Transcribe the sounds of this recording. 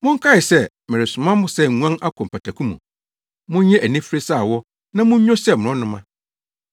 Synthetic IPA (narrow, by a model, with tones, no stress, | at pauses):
mʊ̃˦ŋ̩˦kʰa˦ɪ˨sɛ˦˨ | mɪ˨ɾɪ˨sʊ˨mã˦mʊ̃˦sɛ˦˨ŋũ˨˦ã˦na˦kʰɔ˨pʰa˨tʰa˨kʰũ˦mṵ̃˨ | mʊ̃˦ɲ˦ɲɛ̃˦ʔæ˨nĩ˦fi˦ɾe˦saː˦˨wɔ˦ | nã˦mʊ̃˦ɲ˦ɲɔ̃˦sɛ˦˨mʊ̃˨ʊ̃˦nʊ̃˦mã˦